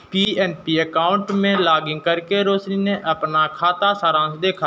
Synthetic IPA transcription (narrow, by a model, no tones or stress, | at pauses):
piːɛːnpiːəkaːʊɳʈmẽːlaːɡɪ̃ŋɡ̚kəɾkeɾoːsniːnẽʔəpnakʰaːt̪asaːɾãːnsd̪eːkʰaː